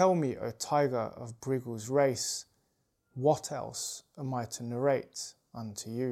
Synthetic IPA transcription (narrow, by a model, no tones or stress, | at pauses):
ɛlˠmiʔə̰tʰaɪɡə̰ɹʔə̰vbɹɪɡəlˠzɹeɪs | wɒtʰɛ̰lˠsəmaɪtʰənəɹeɪt | ʌ̃ntʰəjə